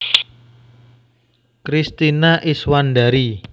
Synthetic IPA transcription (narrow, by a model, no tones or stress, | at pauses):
kɾist̪inaʔiswandaɾi